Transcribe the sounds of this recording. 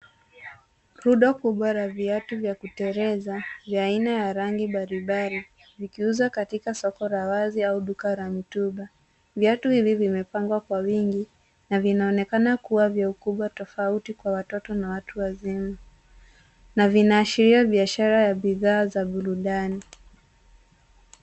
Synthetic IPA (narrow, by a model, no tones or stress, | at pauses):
ɾuɗakuɓwaɾaviatuvjakutɛɾɛzavjaaːinajaɾaŋɡiɓaɾiɓaɾi | vikiuzakatikasɔkɔɾawaziauɗukaɾamituɓa | vjatuhivivimɛpaŋɡwakwawiŋɡi | navinaɔnɛkanakuwavjaukuɓwatɔfautikwawatɔtɔnawatuwazima | navinaːʃiɾiaɓiaʃaɾajaɓiðaːzaɓuɾuɗani